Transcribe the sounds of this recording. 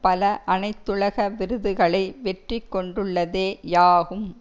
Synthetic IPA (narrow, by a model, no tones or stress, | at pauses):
pɐlɐʔɐnɐɪt̪ːɯɭɐɣɐʋɪɾɯðɯɣɐɭɐɪʋɛʈrikːɔɳɖɯɭːɐðeːjaːɣɯm